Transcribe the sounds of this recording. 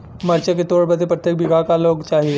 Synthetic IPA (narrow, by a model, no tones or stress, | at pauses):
məɾt͡ʃəket̪oɽbəd̪ʱepɾət̪jek̚bʱiɡʱakaloɡt͡ʃaɦie